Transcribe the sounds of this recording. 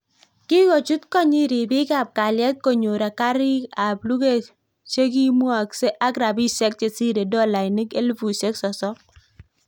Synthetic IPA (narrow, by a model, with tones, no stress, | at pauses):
kɪ˦ko˨t͡ʃu˦t̪kɔ˦ɲi˦ɾi˨bɪ˦ka˨p̚ka˨ljɛ˦t̪̚ko˨ɲo˨ɾa˨ka˦ɾɪ˦ka˨blu˦ke˦˨ | t͡ʃe˦k̬i˦mu˦a˨kse˦ʔa˦ɡɾa˨bi˦sɛ˦k̚t͡ʃe˨si˦ɾe˨dɔ˦la˨ni˦ke˦lfu˨se˦ksɔ˨sɔ˦